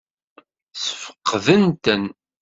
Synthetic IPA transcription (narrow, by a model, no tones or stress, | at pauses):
sə̥fə̥qːðənt̪ən